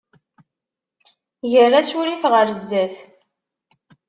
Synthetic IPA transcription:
ʝərːæsʊɾifʁəɾzːæθ

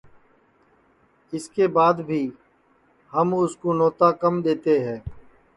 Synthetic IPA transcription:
ɪskeːbaːd̪bʱiː | həmʊskoːnɔːt̪aːkəmd̪eːt̪eɦɛ̃ː

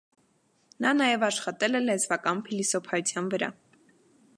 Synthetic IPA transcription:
nɑnɑjɛvɑʃχɑt̪ɛlɛlɛzvɑkɑnpʰilisɔpʰɑjut͡sʰjɑnvəɾɑ̰

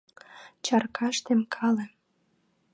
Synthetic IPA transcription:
t͡ɕɑrkʰɑʃt̪emkʰɑlĕ

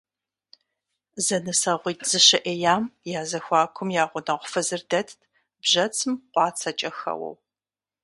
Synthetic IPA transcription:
zɐnɨsɐʁʷiːtz̥ɨɕɪʔejaːmjaːzɐxʷɑːkʷʰʊmjaːʁʷʊnɐʁʷʊfɐzɨrdɐtʰtʰ | bʒɐt͡sʰɨmqʷɑːt͡sʰɐt͡ʃʼɐxɐ̰wɐ̰w

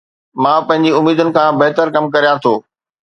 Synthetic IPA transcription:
mãːpɐ̃ɦɪ̃ɲd͡ʑiʊmiːd̪ʊnɪ̆kʰãːbɐɦt̪əɾkɐmkɐɾijat̪ʰoː

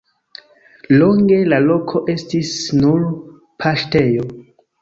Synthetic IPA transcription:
lo̞ŋɡe̞lalo̞kʰo̞ʔe̞stisnuɾ | pʰaʃte̞jo̞

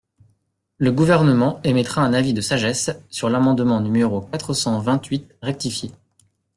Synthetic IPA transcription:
ləɡuvɛʁnəmɑ̃emɛt̪χaɛ̃navid̪əsaʒɛsːyʁlamɑ̃d̪mɑ̃nymeʁokat̪χəsɑ̃vɛ̃t̪ɥit̪̚ʁɛk̚t̪ifje

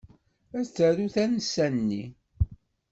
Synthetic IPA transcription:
æt͡sːæɾuθænəsːænːi

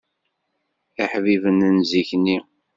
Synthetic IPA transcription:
aħvivənənziçnːi

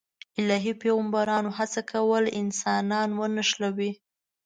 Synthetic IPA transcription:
ɪlɑɦipeɣambaɾɑnoɦat͡sakʰawəlɪnsɑnɑnwənaʃlawi

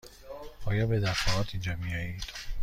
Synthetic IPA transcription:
ɒːjɒːbe̞d̪æfɒːɣɒːt̪ʰind͡ʒɒːmijɒːjiːd̪̥

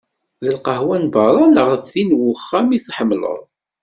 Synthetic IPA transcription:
ðəlqəhwænbɑɾˤɑləʁəfθinwʊχːæmiθħəmːlə̰ðˤ

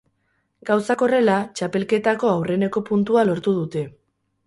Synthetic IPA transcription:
ɡ̥awsako̞re̞lat͡ʃape̞lke̞t̪ako̞awre̞ne̞ko̞punt̪ualo̞ɾt̪uð̞ut̪e̞

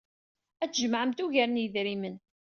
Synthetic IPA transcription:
æt͡sːʒəmʕəmt̪uʝæɾənjəðɾimən

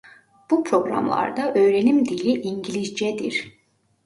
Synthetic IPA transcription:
b̥upʰɾo̞ɡɾa̰mlˠa̰ɾd̪aʔøːɾe̞nimd̪ilʲiʔiɲɟilʲizd͡ʒɛd̪ḭɾ̥

